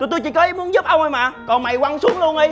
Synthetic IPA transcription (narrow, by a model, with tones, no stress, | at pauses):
t̪t̪o˧jt͡ɕi˧˩kɔ˨˦ʔi˧mu˨˦ənzu˦˥p̚ʔə˧wŋ͡mʔə˧jmaː˨˩kɔ˨˩nma˨˩jkwa˧nsu˨˦əŋlu˧ənʔə˧